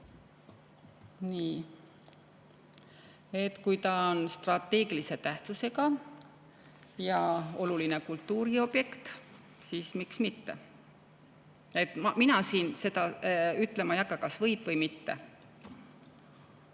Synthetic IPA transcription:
niː | e̞t̪kujt̪ɑonst̪rɑt̪ːˑe̞ːɡ̥ilise̞t̪æht̪suse̞ɡɑ | jɑo̞luline̞kult̪ːuːɾio̞b̥je̞kt̪ | siːsmiksmit̪ːe̞ | e̞t̪mminɑsiːnse̞d̪ɑyt̪ːˑle̞mɑjɑkːɑkɑsvɤjb̥vɤjmit̪ːe̞̰

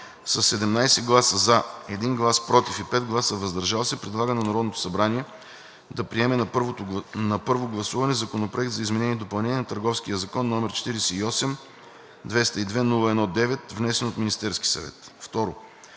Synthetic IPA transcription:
sɐsːɛd̪ɛmnajsɛɡlˠasəzaɛd̪inɡlˠaspɾɔt̪ifipɛd̪ɡlˠasəvɐzd̪ɐɾʒalˠsɛpɾɛd̪lˠaɡənɐnɐɾɔd̪not̪o̥sɐbɾaniɛ | d̪ɐpɾiɛmɛnpɾvonɐpɤɾvoɡlˠɐsuvɐnɛzɐkonopɾoɛkt̪zɐizmɛnɛniɛd̪opɐlˠnɛnʲiɛnɐt̪əɾɡɔfskijəzɐkɔnːɔmɛɾt͡ʃɛ̥t̪iɾɛsɛiɔsɛm | d̪vɛst̪əid̪vɛnulˠəɛnɔd̪ɛvɛt̪vnɛsɛnot̪minʲist̪ɛɾski̥sɐ̰vɛ̰t̪ft̪ɔɾo

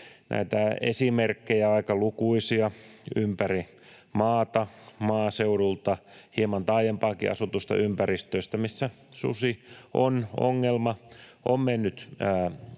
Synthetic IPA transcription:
nʔæ̰it̪æḛsimerkːejæɑikɑlukuisiɑympæri | mɑːt̪ɑmɑːseurult̪ɑhiemɑnt̪ɑijempɑːkḭʔɑ̰sut̪ust̪ɑ̰ʔympærist̪øːst̪æmisːæ | sṵsiono̰ŋːelmɑo̰mmenːyt̪æː

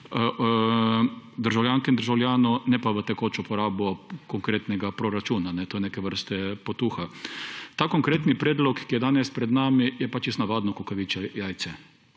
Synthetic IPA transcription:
d̪əɾʒawljaŋkɛind̪əɾʒawljaːnɔnɛpaʋət̪ɛkoːt͡ʃupɔɾaːbɔkɔŋkɾeːt̪nɛɡapɾɔɾat͡ʃuːnanɛt̪oːjneːkɛʋəɾst̪ɛpɔt̪uːxat̪aːkoŋkɾeːt̪nipɾeːd̪lɔkkːijɛd̪aːnɛspɾɛd̪naːmijɛpat͡ʃiznaʋaːd̪nɔkukaʋit͡ʃɛjajt̪sɛ

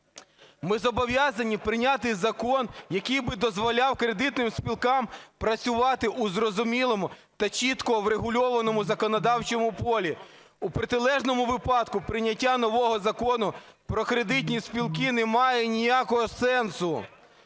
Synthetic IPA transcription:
mɪzɔbɔʋʲjazɐnʲipɾɪnʲat̪̬ɪjzɐkɔnjɐkijbɪd̪ɔzʋɔlʲɑwkɾed̪ɪt̪nɪmspʲilˠkɑmpɾɐsʲʊʋɑt̪ɪʔuzɾɔzʊmʲilˠɔmʊt̪ɐt͡ʃʲit̪kɔwɾeɦʊlʲɔʋɐnɔmʊzɐkɔnɔd̪ɑwt͡ʃɔmʊpɔlʲi | upɾet̪ɪlˠɛʒnɔmʊʋɪpɑd̪kʊpɾɪnʲɐtʲːanɔʋɔɦɔzɐkɔnʊ | pɾɔkɾed̪ɪt̬ʲnʲispʲilˠkɪnɛmɑjɛnʲijakɔɦɔsɛnsʊ

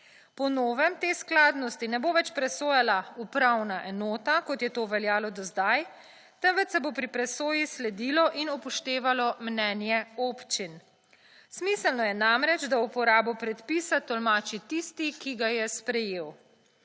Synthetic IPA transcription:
pɔnoːʋɛmt̪eːsklaːd̪nɔst̪inɛboːʋɛt͡ʃpɾɛsoːjalaupɾawnaʔɛnoːt̪akɔt̪jɛt̪oːʋɛljaːlɔd̪ɔzd̪aj | t̪ɛnʋɛt̪sɛbopɾipɾɛsoːjislɛd̪ilɔʔinupɔʃt̪eːʋalɔmnɛːnjɛoːpt͡ʃin | smisəlnɔjɛnamɾɛd͡ʒd̪aupɔɾaːbɔpɾɛt̪piːsat̪ɔlmaːt͡ʃit̪ist̪ikiɡajɛspɾɛjeːw

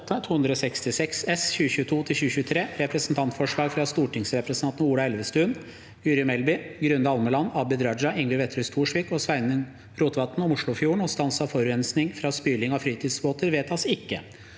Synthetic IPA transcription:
t̪ːət̪ʰuːhʉnd̪ɾəɔsɛkst̪ɪsɛksɛsçʉːəçʉːət̪ʰuːt̪ʰɪlçʉːəçʉːət̪ʰɾeːɾɛpɾəsn̩t̪ʰɑnt̪fɔʂɭɑːɡfɾɑst̪uːʈɪŋsɾɛpɾəsɑnt̪nuːɽɑɛlʋəst̪ʉːn | jʉːɾɪəmɛlbɪɡɾʉnd̪əɑlməlɑnːɑːbɪd̪ɾɑd͡ʒɑʔɪŋʋɪlʋɛt̪ʰɾœʏst̪ʰuːʂʋiːkɔsʋæɪnə | ɾuːt̪ʋɑt̪ːn̩ɔmʊʂɭʊfjuːəɳ̩ɔst̪ɑnsɑʋfɔɾʉɛnsnɪŋfɾɑspyːlɪŋɑfɾiːt̪ʰiːd̪sboːt̪əɾʋeːt̪ɑsɪkːə

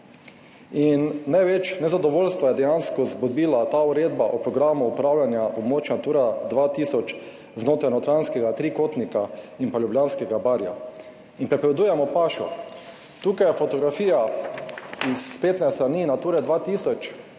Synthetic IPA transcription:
inːajʋɛt͡ʃnɛzad̪ɔʋoːlst̪ʋajɛd̪ɛjanskɔzbud̪biːlat̪aːuɾeːd̪baʔɔpɾɔɡɾaːmuupɾaːwljanjaɔbmoːt͡ʃnat̪uːɾad̪ʋat̪iːsɔt͡ʃ | znoːt̪ɾajnɔt̪ɾanskɛɡat̪ɾiːkoːt̪nika | inpaljubljaːnskɛɡabaɾja̰ | inpɾɛpɔʋɛd̪uːjɛmɔpaːʃɔ̰ | t̪uːkajɛfɔt̪ɔɡɾafiːja | ispeːt̪nɛst̪ɾaniːnat̪uːɾɛd̪ʋat̪iːsɔt͡ʃ

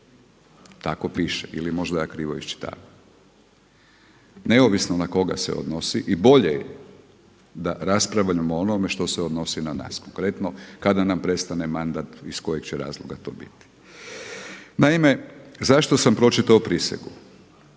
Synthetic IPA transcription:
t̪akopiʃeḭlimo̞ʒd̪ajakɾiːʋo̞̰ist͡ʃi̥t̪a̰ːʋa | ne̞oʋisnonako̞ɡa̰sḛod̪nosiʔibo̞ʎeje | d̪aɾaspɾaʋʎamoonome̞ʃt̪o̞seod̪no̞sinana̰ːskoŋkɾe̞t̪nokad̪anampɾe̞st̪ane̞mand̪at̪isko̞jekt͡ɕeɾa̰ːzlˠo̰ɡat̪o̰ːbḭt̪i̥ | naime̞zaʃt̪osampɾo̞t͡ʃit̪aopɾisḛɡu

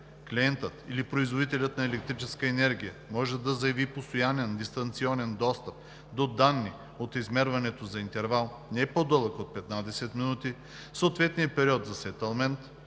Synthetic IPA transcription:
kliɛnt̪ət̪ilipɾoizvod̪it̪ɛlʲət̪nɐɛlɛk̚t̪ɾit͡ʃɛskəɛnɛɾɡ̟ʲijəmɔʒɛd̪ɐzɐjɐvipost̪ojanɛnd̪ist̪ɐnt̪siɔnɛnd̪ɔst̪ɐp̚ | d̪od̪anːi | ot̪izmɛɾvɐnɛt̪ozɐint̪ɛɾvalˠ | nɛɛpod̪ɤlˠəkot̪̚pɛt̪nad̪ɛsɛt̪minut̪i | soot̪vɛt̪nijəpɛɾiɔt̪zɐsɛt̪ɛlˠmɛnt̪

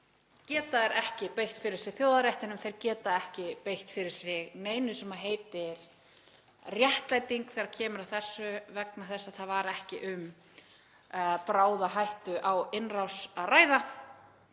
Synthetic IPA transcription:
cɛːt̪aɛɾʔɛhcɪpejht̪fɪɾɪɾ̥sɪɣθjoːwðaɾjaht̪ɪnʏmθejɾcɛːt̪aɛhcɪpejht̪fɪɾɪɾ̥sɪɣneːjnʏsɛmaɦeːjt̪ɪɾ̥ | rjɛht̪lajt̪iŋkθɛɾḁcʰɛːmʏɾaθɛsːʏvɛknaθɛsːaθaðvaɾɛhcɪʔʏm | pɾaːwðaɦajht̪ʏʔawɪnrawsaðraːjða

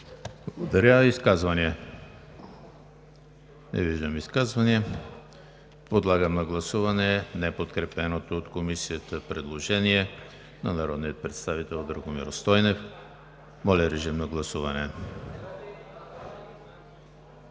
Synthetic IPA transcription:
blˠɐɡod̪ɐɾʲjaiskazvɐniɛ | nʔɛ̰viʒd̪əmiskazvɐniɛ | pod̪lˠaɡəmnɐɡlˠɐsuvɐnɛnɛpot̪kɾɛpɛnot̪oːt̪komisiət̪əpɾɛd̪lˠoʒɛniɛ | nɐnɐɾɔd̪niət̪̚pɾɛt̪st̪avit̪ɛlˠd̪ɾəɡomḭɾost̪ɔjnɛf | mɔlʲɐɾɛʒimnɐɡlˠɐsuvɐnɛ

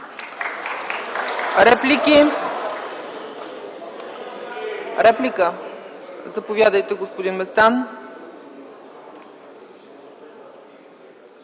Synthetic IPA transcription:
ɾɛplʲiki | ɾɛplikə | zɐpovʲjad̪əjt̪ɛɡospod̪inmɛst̪an

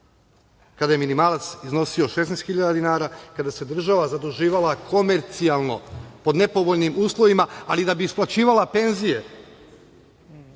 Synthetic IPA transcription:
kad̪ajeminimaːlˠat̪sizno̞sio̞ʃesnɛst̪xiʎad̪ad̪inaːɾakad̪ase̞d̪r̩ʒaʋazad̪uʒiːʋalakʰo̞me̞ɾt̪sialˠno̞̰po̞d̪ne̞po̞ʋoʎnimuːslˠo̞ʋimaalid̪abiːsplˠat͡ɕiːʋalˠape̞nzije̞

